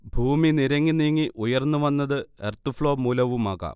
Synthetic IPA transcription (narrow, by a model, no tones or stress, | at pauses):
bʱuːminiɾɐŋːiniŋːiʔujɐrnːuʋɐnːɐðɨḛrt̪ufɭo̞ːmuːlɐʋumaːɣa̰ːm